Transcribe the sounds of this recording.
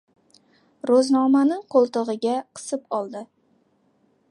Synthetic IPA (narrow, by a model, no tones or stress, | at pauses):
ɾoznɒmanɪqʰolˠt̪ɨʁɨɡʲaqʰɨ̥sɪpɒlˠd̪ɪ